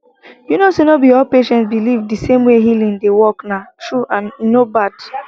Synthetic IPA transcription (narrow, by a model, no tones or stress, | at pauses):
junosenobiɔlpeʃɛ̃ntbilivdisẽmweɦilĩŋdewɔknatɹuʔãnːobad̥